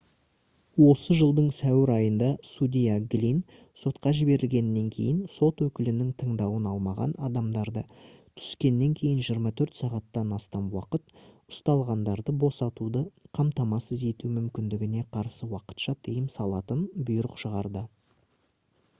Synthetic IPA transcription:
wo̞səʒəlˠd̪əɴsæwɪɾɑjənd̪ɑsud̪ʲijaɡlʲin | so̞t̪qɑʒɪbe̞ɾɪlɡʲe̞nːe̞ŋkʲʰe̞̰jɪnso̞t̪wɵkʲɪlɪnɪŋt̪ʰəɴd̪ɑwənɑlˠmɑʁɑ̰nɑd̪ɑmd̪ɑɾd̪ət̪ʰʏ̥skʲe̞nːe̞ŋkʲʰe̞jɪnʒijəɾmɑt̪ʰɵɾt̪sɑʁɑt̪ːɑnɑst̪ɑnwɑqət̪̚ʊst̪ɑlˠʁɑnd̪ɑɾd̪əbo̞sɑt̪ud̪əqʰɑmt̪ɑmɑsəze̞t̪umʏmkʲɪnd̪ɪɡʲɪne̞qʰɑɾsəwɑqə̥t̪ʃɑt̪ʰəjəmsɑlˠɑt̪ənbʊjɾəqʃəʁɑɾd̪ə

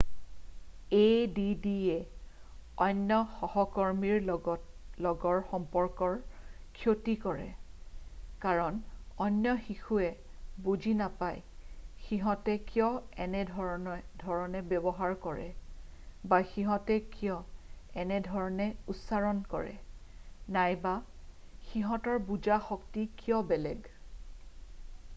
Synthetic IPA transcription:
ejdidiɛ | ɔnjɔxɔhɔkɔɹmiɹ | lɔɡɔɹxɔmpɔɹkɔɹkʰjotikɔɹɛ̰ | kaɹɔnɔnːjɔxixuɛ | bud͡ʒʱinapajxiɦɔ̃tɛkijɔɛnɛdʱɔdʱɔɹɔnɛbɛbɔɦaɹkɔɹɛ̰ | baxiɦɔtɛkijɔɛnɛdʱɔɹɔnɛutsaɹɔnkɔ̰ɹɛ̰ | najba | xiɦɔtɔɹbud͡ʒaxɔktikijɔbɛlɛɡ

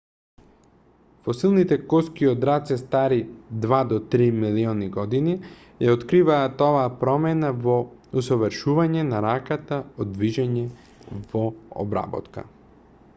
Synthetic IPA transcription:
fosilˠnit̪ɛkɔskiod̪ɾat̪sɛst̪aɾid̪vad̪ɔt̪ɾimiliɔniɡɔd̪ini | jaot̪kɾivaːt̪ɔvaːpɾɔmɛnavɔusɔvəɾʃuvaɲɛnaɾakat̪aɔd̪viʒɛɲɛ | vɔɔ̰bɾa̰bɔ̰t̪ka̰

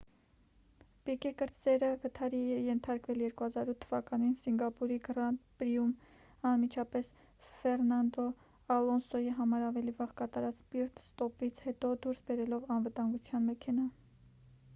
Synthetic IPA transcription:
pikɛkəɾzɛɾəvət̪ʰɑɾiɛjɛnt̪ʰɑɾkvɛljɛɾkuhɑzɑɾut̪ʰːəvɑkɑninsiŋɡɑpuɾiɡɾɑnt̪pɾium | ɑnmit͡ʃʰɑpɛs | fɛrnɑnd̪ɔ | ɑlɔnsɔjiɦɑmɑɾɑvɛlivɑʁkɑt̪ɑɾɑt͡spiɾt̪st̪ɔpit͡sʰhɛt̪ɔd̪uɾsbɛɾɛlɔvɑnvət̪ɑŋɡut͡sʰjɑnmɛkʰɛnɑ

